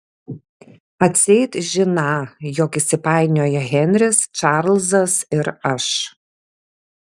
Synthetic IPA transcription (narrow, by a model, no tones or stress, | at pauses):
ɐt̪ʲsʲɛːt̪ʒʲɪnɑːjɔkɪsʲɪpɑˑɪnʲoːjɛɣʲɛnʲɾʲɪst͡ʃɑɾlˠzɐsɪɾɐʃ